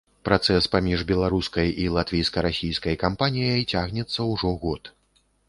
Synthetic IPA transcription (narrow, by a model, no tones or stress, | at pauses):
pɾat̪sɛspamʲiʐbʲɛlˠaɾuskɐjilˠat̪vʲijskɐɾasʲijskɐjkampanʲijɐjt͡sʲaɣnʲɛt̪sːɐwʐɔɣɔt̪